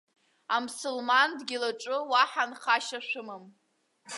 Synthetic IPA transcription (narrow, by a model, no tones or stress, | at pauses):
amsɨlmandɡʲɪlaʈ͡ʂʷʼʊwaħanχaʃaʃᶣʷʊmɨm